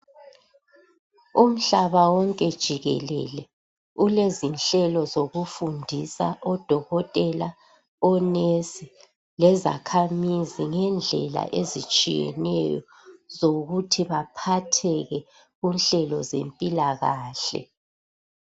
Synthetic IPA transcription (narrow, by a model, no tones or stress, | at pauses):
um̩ɬaβawɔŋkʼɛd̥ʒ̥ʱiɣɛ̰lɛ̰lɛ | ulezinɬɛlɔzoɣufundʱisa̰ʔɔd̥ʱɔɣɔtʼɛla | ɔnesi | lɛza̰kʰamiziŋɛnd͡ɮʱɛ̰la̰ʔezit͡ʃʼḭjɛ̰nɛ̰jɔ̰ | zoɣutʰiβapʰatʰɛɣɛ | ɣunɬɛlɔ̰zḛmpʼilaɣaːɬɛ̰